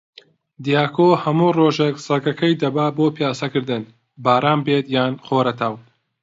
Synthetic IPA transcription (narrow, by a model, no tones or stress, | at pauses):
d̪ijaːkʰoːhɐmuːroːʒeksɐɡɐkʰɐjd̪ɐbaːboːpjaːsɐkɨɾd̪ɨn | baːɾaːmbeːt̪jaːnχoːɾɐt̪ʰɐw